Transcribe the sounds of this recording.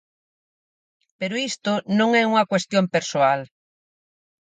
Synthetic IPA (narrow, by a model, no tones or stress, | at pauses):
peɾoist̪ʊnõŋɛuŋɐkwest̪jompeɾsoal